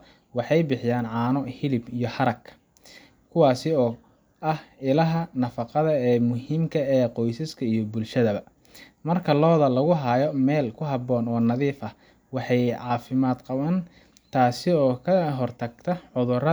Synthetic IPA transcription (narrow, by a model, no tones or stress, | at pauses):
wɑħɑjbɪħɪjaːnʕɑːnɔhɪlɪbijɞhɐɾɐkʰ | kʰʊwɑːsɪɔː | ʔɐhɪlɐɦɐnɐfɑqɑðɐɛːmʊhiːmkʰɐɛːqɔjsɐskʰɐijɔbʊlʃɐðɐβɐ | mɐrkʰɐlɔːðɐlɐɣʊɦɐjɔmɛːlkʰʊɦɐβɔːnɔːnɐðiːfɐ | wɑħɑjʕɑːfɪmaːd̪qɑβɐn | t̪ʰaːsɪɔːkʰɐɦɔrt̪ʰɐɡt̪ʰɐʕʊðʊrɐ